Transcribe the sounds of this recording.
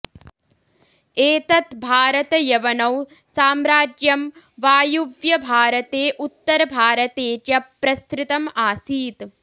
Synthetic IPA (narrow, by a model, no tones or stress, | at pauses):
eːt̪ɐt̪bʱaːɾɐt̪ɐjɐʋɐnɐw | saːmɾaːd͡ʒjɐm | ʋaːjubjɐbʱaːɾɐt̪eːʔut̪ːɐɾɐbʱaːɾɐt̪eːt̪jɐpɾɐst̪ɾɪt̪ɐmaːsiːt̪